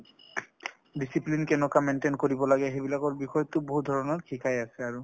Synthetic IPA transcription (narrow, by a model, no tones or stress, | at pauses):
disiplinkɛnɔkamenʈenkoɹibɔlaɡɛɦebilakɔɹbixɔjɔt̪oboɦud̪ʱɔɹɔnɔɹkʰikʰajasɛaɹu